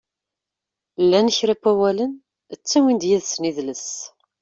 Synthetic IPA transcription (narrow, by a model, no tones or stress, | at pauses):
lːænəçɾæpːæwælən | ət͡sːæwind̪jæðsəniðləs